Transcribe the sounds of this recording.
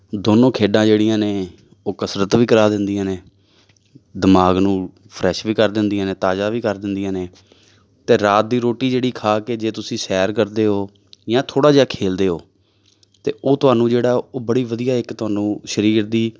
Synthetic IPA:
d̪oːnõːkʰeːɖãːd͡ʒeːɽijãːneː | oːkəsɾət̪ʋiːkəɾaːd̪ɪnd̪ɪjãːneː | d̪əmaːɡnũː | pʰɾɛːʃʋiːkəɾd̪ɪnd̪ijãːneːt̪aːd͡ʒaːʋiːkəɾd̪ɪnd̪ɪijãːneː | t̪eːɾaːt̪̚d̪iːɾoːʈiːd͡ʒeːɽiːkʰaːkeːd͡ʒeːt̪ʊsĩːsɛːɾkəɾd̪eːɦoː | jãːt̪ʰoːɽaːd͡ʒeːaːkʰeːld̪eːɦoː | t̪ḛːʔoːt̪ʊɦaːnũːd͡ʒeːɽaːoːbəɽiːʋəd̪ijaːɪkt̪ʊaːnũːʃəɾiːɾd̪iː

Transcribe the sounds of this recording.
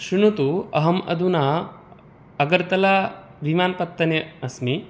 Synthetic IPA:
ʃinut̪uɐ̰ɦɐmɐ̰d̪unaː | ɐɡɐɾt̪ɐlaː | ʋʱimaːnpɐt̪ːɐneɐsmi

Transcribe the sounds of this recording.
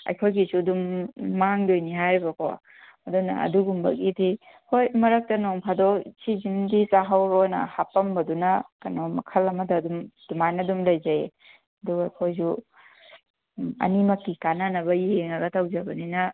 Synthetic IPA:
ɐ̰jkʰojɡisudumːaŋdojniɦajɾbɐkʰo̰ | ɐdunɐ̰ɐ̰duɡumbɐ̰kidi | hojmɐɾɐk̚tɐnoŋpʰadosizindisaɦawnɐ̰hapɐmbɐdunɐkɐnomɐkʰɐlɐmɐdɐːdumd̥umajnɐdumlɐjzaji | ɐduɡɐɐjkʰojzu | ɐ̰nimɐkːikananɐβɐieŋɐɡɐtawzɐbɐninɐ

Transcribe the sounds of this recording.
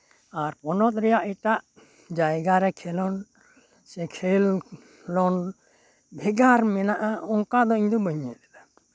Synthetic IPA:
aɾpɔnɔt̪̚ɾɛjaʔiʈaʔ | d͡ʒajɡaɾɛkʰɛlɔn | sɛkʰel | lɔn | bʱɛɡaɾmɛnaʔaʔɔŋkad̪ɔiɲd̪ɔbəɲɛt̪ɛlɛ

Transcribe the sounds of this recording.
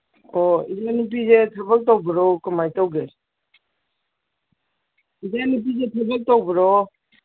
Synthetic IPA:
ɔizanip̬izetʰabak̚tawbiɾɔkɯmajtawɡe | izanip̬izetʰabak̚tawbiɾɔ

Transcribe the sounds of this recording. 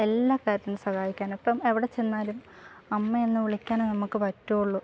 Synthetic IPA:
e̞lːaːkaːɾɐt̪ɐnːɨsɐhaːjikʲːaːnɐpːɐmeʋiɽet͡ɕenːaːlumɐmːɐenːɨʋiɭikʲːaːnonɐmukːɨpɐtːuuɭːu

